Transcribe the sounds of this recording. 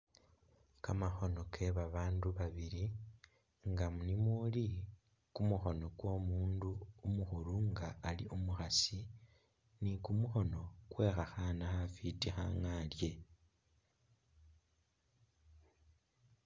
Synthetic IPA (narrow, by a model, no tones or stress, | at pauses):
kamaxo̞no̞kʰe̞βaβaːnduβaβiɾi | ŋɡamunimuli | kumuxo̞no̞kwo̞muːnduːmuxuɾuŋɡaːliʔomuxasi | nikumuxo̞no̞kwe̞xaxanaxafitixa̰ŋalje̞